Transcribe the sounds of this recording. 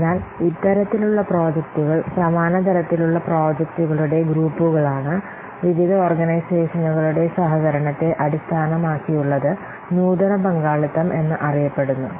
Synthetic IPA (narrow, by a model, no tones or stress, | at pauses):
enːaːlit̪ːɐɾɐt̪ːiluɭːɐpro̞ːd͡ʑɐkt̪uɣɐɭsɐmaːnɐt̪ɐɾɐt̪ːiluɭːɐpro̞ːd͡ʑɐk̚t̪uɣɐɭuɽe̞ɡɾuːpːuɣɐɭaːɳɨ | ʋiʋid̪ɐo̞ːrɡɐnɐjseːʂɐnuɣɐɭuɽe̞sɐɦɐɣɐɾɐɳɐt̪ːe̞ʔɐɽist̪ʰaːnɐmaːkːijuɭːɐðɨ | nuːd̪ɐnɐbɐŋɡaːɭɐt̪ːɐmʔe̞nːɨʔɐrijɐpːe̞ɽunːu